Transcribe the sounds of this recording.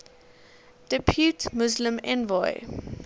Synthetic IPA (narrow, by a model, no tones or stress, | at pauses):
d̥ɪpʰjuːtmʊzlə̃mɛ̰̃nvɔɪ